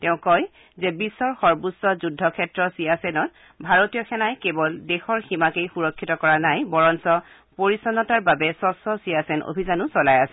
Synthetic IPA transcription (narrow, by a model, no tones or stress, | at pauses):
tɛʊ̃kɔj | zɛbisːɔɹxɔɹbusːɔzudʱːɔkʰɛtɹɔsijasɛnɔt | bʱaɹotijɔxʰɛnajkebɔldexɔɹximakejxuɹɔkʰːitɔkɔɹanajbɔɹɔnsɔ | poɹisɔnɔtaɹbabɛsɔsɔsiasɛnʔo̰bʱizanʊsɔlajasɛ